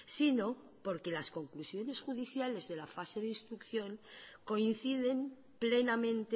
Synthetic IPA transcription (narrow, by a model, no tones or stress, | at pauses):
sino̞ | po̞ɾke̞lasko̞ŋklusjo̞ne̞sxuðiθjale̞zðe̞lafase̞ðinst̪ɾukθjo̞ŋko̞in̟θiðe̞m | ple̞namẽ̞nt̪e